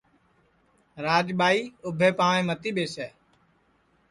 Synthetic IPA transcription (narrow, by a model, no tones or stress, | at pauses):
ɾaːd͡ʒɓaːiːʊbʱeːpaːʋẽːmət̪iːɓeːsɛː